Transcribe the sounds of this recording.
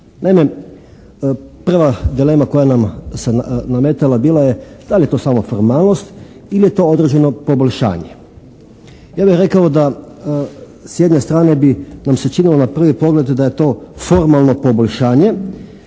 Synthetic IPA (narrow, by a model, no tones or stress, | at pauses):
naime | pr̩ʋad̪ile̞ːmako̞janamsenamet̪elabiːlˠajed̪̥alʲje̞t̪o̞ːsaːmofoɾmaːlˠno̞st̪ | ilijet̪o̞ːo̞d̪ɾed͡ʒeno̞po̞boʎʲʃa̰ːɲe | jaːbixɾe̞kaod̪a | sje̞d̪ɲe̞st̪ɾaːne̞binamset͡ʃinilonapr̩ʋipo̞ɡle̞d̪d̪ajet̪o̞ːfo̞ɾmalˠno̞po̞bo̞ʎʲʃaːɲe